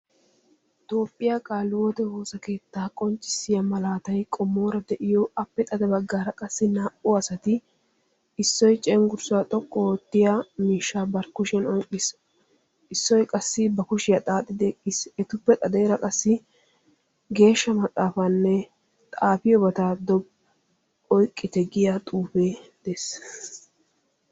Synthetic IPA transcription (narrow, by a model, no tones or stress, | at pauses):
t̪o̞ːpʼːɪjaːkʼaːlːwɔt̪ɛhoːsɐke̞ːt̪ːaːkʼɔnt͡ʃʼːɪ̥sɪjɐmɐlaːt̪ɐjkʼɔmːo̞ːɾɐd̪ɛʔɪjɔɐpːɛt̪ʼɐd̪ɛbɐɡːaːɾɐkʼɐsːɪnaːʔʊɐsɐt̪ɪ | ɪsːɔjt͡ʃʼɛŋɡʊɾsʊat̪ʼɔkʼːɔɔt̪ːɪjamiːʃːaːbɐɾkʊʃɛnɔŋkʼːɪs | ɪsːɔjkʼɐsːɪbɐkʊʃɪjɐt̪ʼaːt̪ʼːɪd̪ekʼːiːsɛt̪ʊpːɛt̪ʼɐd̪e̞ːɾɐkʼɐsːɪ | ɡe̞ːʃːɐmɐt̪ʼːaːfɐanːɛ | t̪ʼaːfɪjɔbɐt̪aːd̪ɔb | ɔjkʼːɪt̪ɛɡɪjat̪ʼuːfeːd̪̥es